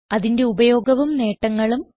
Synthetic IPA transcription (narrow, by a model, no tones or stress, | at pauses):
ɐðinde̞ubɐjo̞ːɡɐʋumne̞ːʈːɐŋːɐɭum